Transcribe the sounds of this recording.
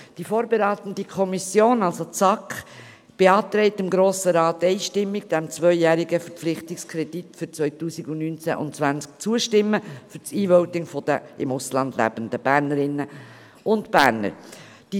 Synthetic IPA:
d̥ifoːɾbeɾaːt̪ən̩dikʰɔmisjoːnɑlsot͡sɑk | b̥eɑːt̪ɾɛɪtɪmɡɾoːsəɾɑːtːɛɪʃtɪmːɪɡ̚d̥ɛmt͡svœʏjæːɾɪɡəfəɾpp͡flɪχtɪkskʰɾɛd̥itfʏɾt͡svœʏtuːsiɡʊnnynt͡sɛ̰ʔʊ̰nt͡svænsk̚t͡suəʃtɪmːəfʏɾt͡siːvœʊtɪŋfɔd̥əɪmʊslɑnd̪læ̰b̥əndəb̥æːɾnəɾɪnːə | ʔʊntb̥æːɾnə̰ɾ | d̥i

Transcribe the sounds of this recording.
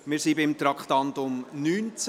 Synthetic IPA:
mɪːɾsibɪmt̪ɾɑkχt̪ɑntʊmnyːnt͡s

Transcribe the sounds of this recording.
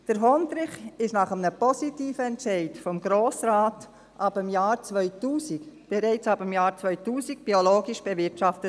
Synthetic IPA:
d̥əɾɦɔndɾɪχɪʃnɑχəmnəpɔsitiːfəɛntt͡ʃɛɪtfɔmɡɾoːsɾaːt | ʔɑbəmjaːɾt͡sʋœʏtuːsikb̥eɾɛɪt͡sɑbəmjɑːɾt͡svœʏtuːsiɡ̚b̥ioloːɡiʃb̥evɪɾtʃɑftət

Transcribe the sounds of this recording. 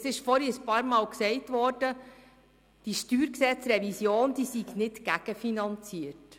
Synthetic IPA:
sɪʃfɔɾiəspɑːɾmɑːlksɛɪtʋɔrd̥ə | d̥iʃtyːɾksɛt͡sɾɛvisjoːnd̥iːsiɡnɪtɡ̥æɡ̥əfinɑnt͡siəɾt

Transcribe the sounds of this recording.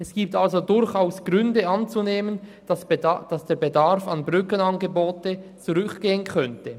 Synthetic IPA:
ʔɛsɡ̥iːp̚talzodʊɾçaʊsɡ̥ʁʏndəɑnt͡suneːmən̥ | d̥ɑsd̥eːɐbedaɾfɑnbʁʏkənɑnɡəboːtət͡suʁʏkɡ̥eːənkʰœntə

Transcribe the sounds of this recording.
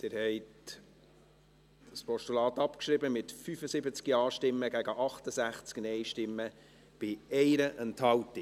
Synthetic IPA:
d̥ɪɾhɛɪt | d̥əspɔʃtulɑːt̪ɑpkʃɾɪbəmɪtfyfəsɪbət͡skiɑːʃtɪmːəɡæɡəʔɑχt̪əsæχt͡sknɛɪʃtɪmːə | b̥ɪɛɪɾəʔənthɑwtːi

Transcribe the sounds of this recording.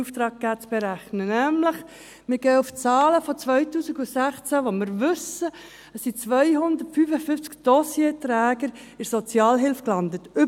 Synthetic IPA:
uft̪ɾɑːɡ̚ɡ̥æːt͡sb̥ɛɾæχnənæmləχ | mɪɡ̥ɛːuft͡sɑːləfɔt͡sʋœʏtuːsiɡusæχt͡sæʋomɪɾʋʏsə | əsːit͡sʋœjɦʊnd̪ətfyfəfyft͡skd̥ɔsjetɾæːɡəɾ | ɪɾsɔt͡sjɑːlɦɪlfklɑndətʏ

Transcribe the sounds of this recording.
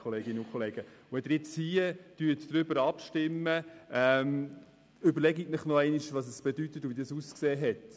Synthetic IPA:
χoleːɡinəʊkʰχɔleːɡ̥əʊɛd̥̪əɾjɪt͡shiəd̥yːət̪d̥ɾʏbəɾɑpʃtɪmːəɛm | ʏbəɾlɛɡiknɪχnɔɛɪniʃʋɑsəsb̥edytətʊvidɑsuskseːɦɛt

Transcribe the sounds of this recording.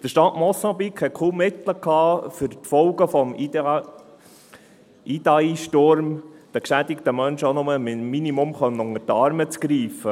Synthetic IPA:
d̥əʃtɑtmɔsɑ̃bikhɛt̚kʰuːmːɪt̪ləkhɑːfʏɾtfɔwɡəfɔm | id̪ɑiʃtoɾmd̥ækʃæd̪ikt̪əmœnʃəonʊməmːinimʊmχœmnʊŋːətɑɾmət͡skɾiːfə

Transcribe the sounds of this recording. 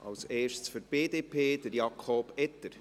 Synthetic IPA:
ɑ̰ʊseːʃt͡sfyɾb̥eːdeːpʰeːd̥əɾjɑkʰobɛt̪əɾ

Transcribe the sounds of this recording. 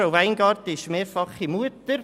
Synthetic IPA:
aʊvæɪnɡɑːɾt̪əɪʃmeːɾfɑχimuətəɾ

